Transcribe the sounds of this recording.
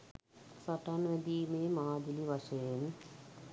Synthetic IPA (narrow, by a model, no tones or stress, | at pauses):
sɐʈːanʋed̪iːmeːmaːd̪iliʋɐʃen